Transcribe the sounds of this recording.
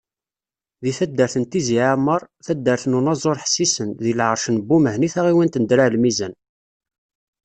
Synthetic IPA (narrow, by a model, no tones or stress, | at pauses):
ðiθæd̪ːəɾθənt̪iziʕamːəɾˤθæd̪ːəɾθənunɑzˤoɾˤħsːisənðilʕəɾˤʃənbːuməhniθæʁiwænt̪nd̪ɾaʕlmizæn